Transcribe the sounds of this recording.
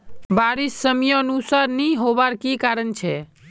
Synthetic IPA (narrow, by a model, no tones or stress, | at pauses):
baɾisːəmjəːnusaɾniɦobaɾkikaɾənt͡ʃʰɛ